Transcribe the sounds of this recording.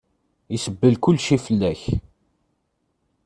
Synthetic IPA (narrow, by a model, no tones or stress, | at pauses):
isəbːəlkʊlːʃifəlːæç